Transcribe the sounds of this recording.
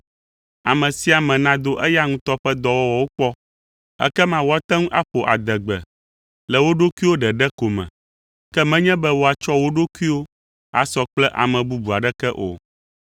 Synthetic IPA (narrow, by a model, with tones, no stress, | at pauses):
a̰˨mɛ̃˨si˦a˨mɛ̃˨nã˦d̪o˦ʔɛ˦ja˦ŋũ˦t̪ɔ˦ɸɛ˦d̪ɔ˦wɔ˦wɔ˨wo˦k͡pɔ˦ | ɛ̰˦kɛ˦mã˦wo˦a˦t̪ɛ̃˦ŋũ˦ʔa̰˦ɸo˨ʔa̰˨d̪ɛ˨ɡ͡bɛ̰˨ | lɛ˨wo˦ɖo˦ku˦i˦wo˦ɖɛ˨ɖɛ˦ko˨mɛ̰̃˨ | kɛ˦mɛ̃˦ɲɛ̃˦bɛ˦wo˦a˨t͡ʃɔ˦wo˦ɖo˦kʷi˦wo˦ | a̰˨sɔ˦k͡plɛ˦ʔa̰˨mɛ̃˨bu˦bu˨a˨ɖɛ˦kɛ˦ʔo̰˨